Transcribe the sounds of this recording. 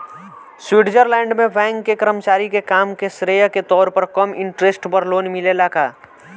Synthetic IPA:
swɪʈd͡ʒəɾlɛ̃ːɳɖmẽʋɛ̃ːŋɡːekəɾəmt͡ʃaːɾikekaːmkesɾeːjaket̪ɔːɾpəɾkɐmɪ̃ɳʈɾesʈpɐɾloːnmɪlelaːkaː

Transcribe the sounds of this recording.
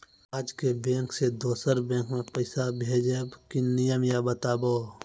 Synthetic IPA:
aːd͡ʒkebẽːksed̪oːsəɾbẽːkmẽpəɪsabʱeːd͡ʒebkinijəmjabət̪aːboː

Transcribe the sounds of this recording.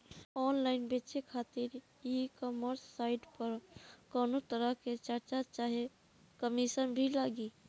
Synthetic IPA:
ɔːnlaɪnbet͡ʃekʰat̪iɾ | jikɔməɾsːaɪʈpəɾkɔːnot̪əɾəɦket͡ʃəɾt͡ʃat͡ʃaɦe | kəmisənbʱilaɡi

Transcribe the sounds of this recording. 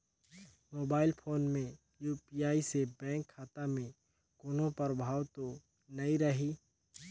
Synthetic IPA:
moːbaːɪlpʰoːnmẽ | juːpiːaːisebɛ̃ːŋkʰːaːt̪amẽ | kʊːnõpəɾbʱaːwt̪o | nɐĩɾəɦiː

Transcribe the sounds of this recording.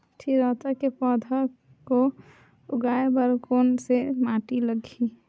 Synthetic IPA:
ʈʰiɾɔt̪akepɔd̪ʱə | ko | ʊɡaebəɾkoːnsemaʈiləɡʱi

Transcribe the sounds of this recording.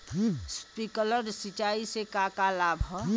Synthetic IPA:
spikələɾsit͡ʃaːisekakalaːbʱ

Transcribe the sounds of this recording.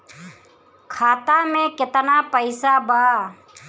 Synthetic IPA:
kʰaːt̪amẽkɪt̪napəɪsabaː

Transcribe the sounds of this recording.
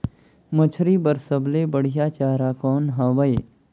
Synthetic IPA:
mɐt͡ʃʰɾiːbɐɾsəbleːbəɽ̤ijaːt͡ʃaːɾaːkɔːnɦãʋəeː

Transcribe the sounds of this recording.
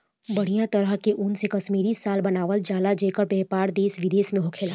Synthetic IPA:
bɐɽ̤ijãt̪ɐɾəɦkeʔʊnsekɐʃmiːɾisaːlbɐnaːʋəld͡ʒaːlad͡ʒeːkəɾbɛːpaːɾd̪eːsʋɪd̪eːsmẽɦʊkʰeːla

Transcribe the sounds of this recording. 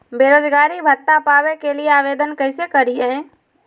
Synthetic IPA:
beːɾoːd͡ʒɡaːɾibʱəʈ̪ːapaːwekelieaːʋeːd̪ənkɛɪsekəɾiɦɛ̃ː

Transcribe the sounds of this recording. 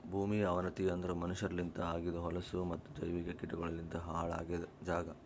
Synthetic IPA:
bʱuːmiɐʋɐnɐt̪iɐnd̪ɐɾumɐnuʃɐɾɐlint̪ɐaːɡid̪ɐɦɔlɐsumɐt̪ːud͡ʒɐjʋiɡekiʈuɡɐɭɐlint̪ɐɦaːɭa̰ːɡed̪d͡ʒaːɡɐ

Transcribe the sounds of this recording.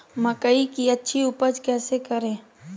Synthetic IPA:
məkəikiɐtːʃʰiʊpəd͡ʒkɛːsekɐɾẽː

